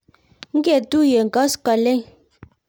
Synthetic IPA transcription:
ŋ̩˦ɡe˦˨tu˦je˨ŋ̩˨ɡɔ˨˦ska˨le˦ŋ

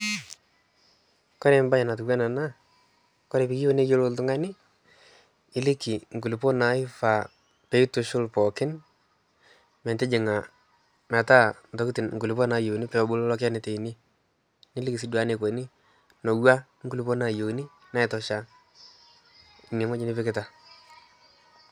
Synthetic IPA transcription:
kɔ˦ɾɛ˨mba˦ɪ˨na˨t̬u˨kwa˦na˨na˦ | kɔ˦ɾe˨pi˦ki˦o˦ne˦jo˦lo˦ltʊ˦ŋa˦nɪ˦ | ɪ˦lɪ˦ki˨ŋ˨ku˨li˨po˦na˨˦ɪ˦fa˨ | pe˨˦i˦tʊ˨ʃʊ˦lpɔ˨kɪ˦n | mɛ˨nte˦d͡ʒɪ˨ŋa˨ | na˨ta˦n˨tɔ˨˦kɪ˦tɪ˨nŋ̩ku˨lɪ˨pɔ˦na˨jo˨ni˦pɛ˦ɔ˨bʊ˦lɔ˦lɔ˦ka˦ne˨te˨i˨ni˦ | nɪ˦lɪ˦ki˨s̬i˦dwa˨˦ne˨ko˨˦nɪ˦ | no˨wa˦ | ŋ̩ɡu˦li˦po˦na˨jo˨˦ni˦ | na˦ɛ˨tɔ˦ʃa˦ | ɪ˨me˨ŋwɔ˦ɲɪ˦nɪ˦pɪ˦kɪ˦ta˨

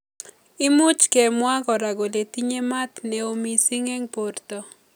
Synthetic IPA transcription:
ɪ˦mʊ˦t͡ʃke˨mwa˦ɡɔ˨ɾa˨ɡo˨le˨t̪i˦ɲe˦ma˦t̪nɛ˨o˦mi˨si˦ŋe˦ŋpo˨rt̪ɔ˨

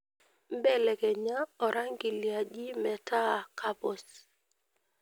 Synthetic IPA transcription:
m˦bɛ˦lɛ˨kɛ˨ɲa˦ɔ˨ɾa˦ŋɡi˨li˨a˨d͡ʒi˦mɛ˨tʰa˦˨ka˦pɔ˨s

